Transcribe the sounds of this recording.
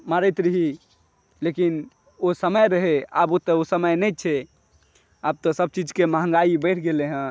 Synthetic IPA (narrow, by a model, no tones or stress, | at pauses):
maɾɛt̪ɾəɦi | lekin | osəməjɾəɦea̰bot̪əosəməjnɛjt͡ʃʰɛ | ab̚t̪ɔsəb̚t͡ʃid͡ʒkemaɦə̃ŋ̆ɡaibəjʈʰɡeleɦə̃